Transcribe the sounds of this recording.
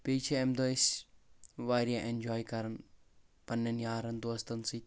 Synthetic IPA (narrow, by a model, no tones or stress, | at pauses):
pet͡ʃʰeemd̪osʲ | ʋaɾijaʔend͡ʒɔːjkɐɾɐn | pɐnːɐnjaːɾɐnd̪oːst̪ɐnsit̪